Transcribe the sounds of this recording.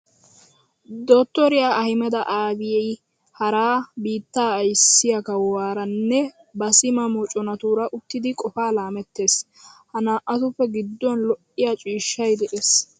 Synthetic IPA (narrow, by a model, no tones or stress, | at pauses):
d̪oːt̪ːɔɾɪjaːʔɐhɪmɛd̪ɐʔaːɡɪjɛj | hɐɾaːbiːt̪ːaːjsːɪjɐkɐwwaːɾɐnːɛ | bɐsɪmɐmoːt͡ʃʼɔnɐt̪uːɾɐʔʊt̪ːɪd̪ɪkʼɔfaːlaːmɛt̪ːe̞ːs | hɐnaːʔɐt̪ʊfːɛɡɪd̪ːɔnlɔʔːɪjat͡ʃʼiːʃːɐjd̪ɛʔeːs